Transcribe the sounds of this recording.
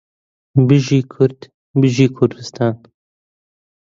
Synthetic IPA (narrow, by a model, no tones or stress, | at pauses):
bɨʒiːkʰʊɾd̪ | bɨʒiːkʰʊɾd̪ɨst̪ʰɑːn